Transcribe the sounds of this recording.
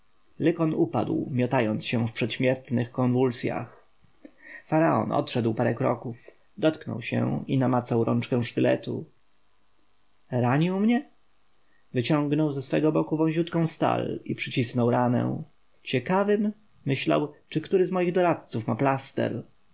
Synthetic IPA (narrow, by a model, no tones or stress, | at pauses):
lɛkɔnupa̰d̪wmʲjɔt̪ajɔnt̪sɕɛ̃fpʂɛt̪ɕmʲjɛɾt̪nɘxkɔnvulsʲja̰x | faɾaɔ̰nɔ̰t̪ʂɛd̪wpaɾɛkɾɔ̰kuf | d̪ɔt̪knɔ̰wɕɛ̰inamat̪sawɾɔnt͡ʂkɛ̃w̃ʂt̪ɘlɛ̰t̪ṵ | ɾaɲiwmɲɛ | vɘt͡ɕɔ̃ŋɡnɔwzɛsfɛɡɔbɔkuvɔ̃w̃ʑut̪kɔ̃w̃st̪a̰lipʂɘt͡ɕisnɔwɾanɛ̰w̃ | t͡ɕɛkavɘmː | ɘɕla̰wt͡ʂɘkt̪uɾɘzmɔjiɣd̪ɔɾat̪sufmaplast̪ɛ̰ɾ